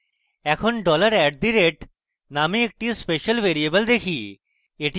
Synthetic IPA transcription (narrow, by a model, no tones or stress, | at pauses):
ɛːkʰʊnɖɔːləɾɛːɖ̚d̪iɾeːʈ | naːmĩek̚ʈispeːʃəlʋeːɾiebəld̪eːkʰiː | eʈ